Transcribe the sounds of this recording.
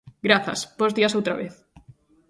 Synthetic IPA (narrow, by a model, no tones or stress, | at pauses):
ɡɾaθɐ̰sbozðiasowt̪ɾa̰βeθ